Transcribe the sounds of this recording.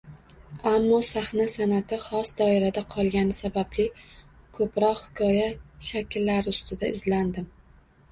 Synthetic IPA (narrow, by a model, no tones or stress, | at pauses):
amːɒsaχnasanat̪ʰɪχɒsd̪ɒɪɾad̪aqʰɒlˠɡʲanɪsabablɪ | kʰɵpɾɒqhɪkʲʰɒjaʃakʲʰɪlːaɾʊst̪ʰɪd̪aɪzland̪ɪm